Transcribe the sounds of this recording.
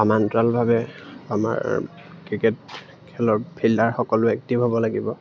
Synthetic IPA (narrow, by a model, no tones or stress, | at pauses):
amantɹalbʱabɛama̰ɹ | kɹikɛt | kʰɛlɔɹpʰilːaɹxɔkɔlʊɛk̚tibʱabɔlaɡibɔ